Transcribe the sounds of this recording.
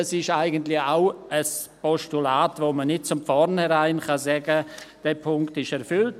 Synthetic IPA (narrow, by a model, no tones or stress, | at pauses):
sɪʃaɪɡəntlɪçaʊəs | pɔstulaːtvoːmənɪt̚t͡sʊmfɔɾnhɛɾaɪnxɑzɛɡəd̥ɛpʰʊŋktɪʃɛɾfʏlt